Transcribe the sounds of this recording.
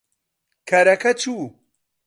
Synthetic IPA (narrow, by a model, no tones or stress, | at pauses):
kʰɐɾɐkʰɐt͡ʃʰu